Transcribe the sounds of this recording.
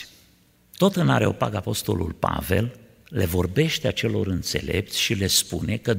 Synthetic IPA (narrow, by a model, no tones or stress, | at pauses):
t̪o̞t̪ɨna̰ɾeo̞paɡapo̞st̪o̞̰lṵlpa̰ve̞̰l | le̞vo̞rbe̞ʃt̪eat͡ʃe̞lo̞ɾɨnt̪se̞̰le̞̰p̚t̪sʲʃile̞spune̞kə